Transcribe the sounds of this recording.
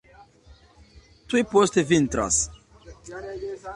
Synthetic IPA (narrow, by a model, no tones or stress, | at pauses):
t̪uipost̪evint̪ɾa̰s